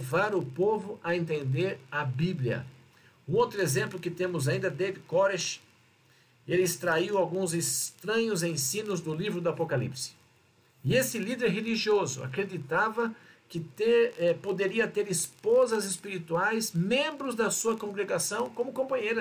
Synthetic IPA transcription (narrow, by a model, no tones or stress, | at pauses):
vaɾʊpovʊʔɐẽnt̪ẽnd̪eɾɐbibljiɐ̰ | ũowt̪ɾʊezẽmplʊkɪt̪ẽmʊzaĩnd̪ɐd̪evikɔɾeʃ | elɪist̪ɾaiwawɡũzɪst̪ɾɐ̃ɲʊzẽsĩnʊzd̪ʊlivɾʊd̪ɐapokalḭpsɪ̥ | ɪesɪlid̪eɾɦeliʒiozʊ̰a̰kɾed̪it̪avɐ | kɪt̪eɛpod̪eɾiɐt̪eɾɪspozɐzɪspiɾit̪uajsmẽmbɾʊzd̪ɐsuɐkõɡɾeɡasɐ̃w̃kõmʊkõmpɐ̃ɲejɾɐ